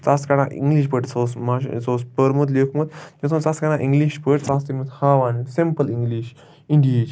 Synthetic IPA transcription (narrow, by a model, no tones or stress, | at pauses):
t͡saskaɽaʔḭŋɡliʃpəʈt͡sosmat͡soːspəɾmut̪lekʰmut̪jesmt͡saskaɽãʔiŋɡliʃpəʈt͡sast̪imut̪haːʋaːnsempəliŋɡliʃ | iɳɖit͡ʃ